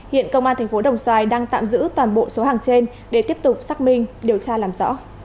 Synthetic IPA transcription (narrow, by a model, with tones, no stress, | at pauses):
hḭ˧˨ənkə˧wŋ͡mʔaː˧nt̪ʰɛ˨˩ŋ̟fo˨˦ɗə˨˩wŋ͡mswaː˧˩jɗaː˧ŋt̪a̰ː˧˨mzɨ̰˧˥t̪waː˨˩nɓo̰˧˨so˨˦ɦaː˨˩ŋt͡ɕe˧n | ɗe˨˩t̪i˦˥əp̚t̪ʊ˨˩k͡p̚saː˦˥k̚mï˧ŋ̟ɗi˨˩əwt͡ɕaː˧laː˨˩mzɔ̰˧˥